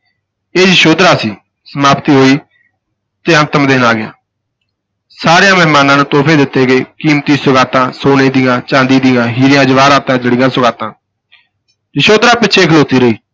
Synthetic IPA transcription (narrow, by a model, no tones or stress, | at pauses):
eːd͡ʒəʃoːd̪ɾaːsiː | səmaːpt̪iːɦoːiː | t̪eːənt̪əmd̪eːnaːɡɪja̰ː | saːɾejãːmɛɦmaːnãːnũːt̪oːpʰeːd̪ɪt̪ːeːɡeːkiːmt̪iːsʊɡaːt̪ãːsoːneːd̪ɪjãːt͡ʃãːnd̪iːd̪ɪjãːɦiːɾɪjãːd͡ʒəʋaːɾaːt̪ãːd͡ʒəɽɪjãːsʊɡaːt̪ãː | d͡ʒəʃoːd̪ɾaːpɪːʃʰeːkʰəloːt̪iːɾəiː